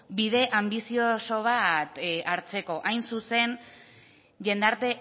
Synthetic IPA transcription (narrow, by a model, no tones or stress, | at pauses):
biðe̞ʔambisio̞so̞β̞at̪aɾt͡se̞ko̞ʔajnsuse̞n | ʝe̞nd̪aɾt̪e̞